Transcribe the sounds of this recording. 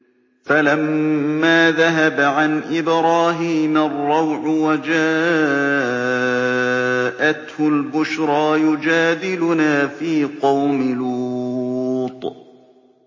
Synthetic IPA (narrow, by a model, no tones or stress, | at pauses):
falamːaːðaɦabʕanʔɪbɾɑːɦiːmarˤːɑwʕʊwad͡ʒaː | ʔat̪hʊlbʊʃɾˤɑːjʊd͡ʒaːd̪ɪlʊnaːfiːqɑwmɪlu | t̪ˤ